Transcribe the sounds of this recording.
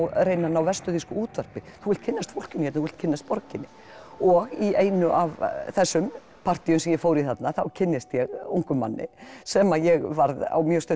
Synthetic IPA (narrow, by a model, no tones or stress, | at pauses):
wreːjnanːawvɛst̪ʏðiskʏuːt̪vœɾ̥pɪθuɣɪlt̪kcʰɪnːast̪fowl̥cʏnjɛt̪naθuvɪlt̪cʰɪnːast̪̚pɔɾcɪnːɪ | ɔɣieːjnʏʔavθɛsːʏm | pʰar̥t̪iʏmsɛmjɛfoːwɾiθat̪naθawcʰɪnːɪst̪jɛɣuŋkʏmːa̰nːɪ̰sɛmajɛɣvaɾða̰wmjœst̪œ